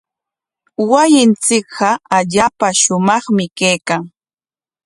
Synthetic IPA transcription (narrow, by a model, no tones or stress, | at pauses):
wajɪnt͡sɪkɢɑaʎaːpaʃʊmɑχmɪkejkaŋ